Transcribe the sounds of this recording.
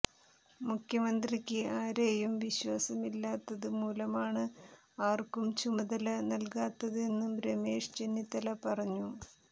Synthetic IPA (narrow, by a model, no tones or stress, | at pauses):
mukʰjɐmɐnd̪rikʲːɨaːɾeːjumʋiɕʋaːsɐmilːaːt̪ːɐðɨmuːlɐmaːɳɨ | aːrkumt͡ɕumɐðɐlɐnɐlkaːt̪ːɐðɨe̞nːumbɾemeːʂt͡ɕenːit̪ːɐlɐpɐrɐɲːu